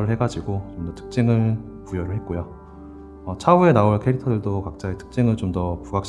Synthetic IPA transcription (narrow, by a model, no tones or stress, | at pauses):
ɾɯɭhe̞ɡad͡ʑiɡot͡ɕomdʌtʰɯ̥k̚t͡ɕ͈eŋɯɭ | pujʌɾɯɭɦet̚k͈ojo | ʌt͡ɕʰaue̞naoɭkʰe̞ɾitʰʌdɯɭdokak̚t͡ɕ͈aetʰɯ̥k̚t͡ɕ͈eŋɯɭt͡ɕomdʌpuɡak̚ɕ͈